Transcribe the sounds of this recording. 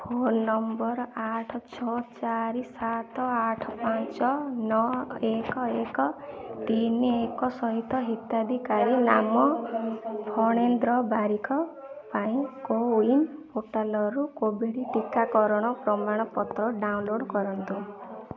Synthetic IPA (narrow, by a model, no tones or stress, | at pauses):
pʰonːɔmbɔɾaʈʰɔt͡ʃʰɔt͡ʃaɾisat̪ɔaʈʰɔpant͡ʃɔnɔekɔekɔt̪iniekɔsɔɦit̪ːɔɦit̪ad̪ʱikaɾinamɔ | pʰɔɽ̃end̪ɾɔbaɾikʰɔ | paĩkoinpoʈalɔɾukobeɽiʈikːakɔɾɔɽ̃ɔpɾɔmaɽ̃ɔpɔt̪ɾɔɖawnloɽkɔɾɔnt̪u